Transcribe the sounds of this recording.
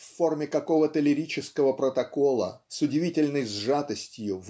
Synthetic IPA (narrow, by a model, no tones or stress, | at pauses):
fːo̞rmʲɪkɐko̞vət̪əlʲɪɾʲit͡ɕɪskəvəpɾət̪ɐko̞lˠə̰sʊdʲɪvʲitʲɪlʲnəjzʐat̪əsʲtʲjʊv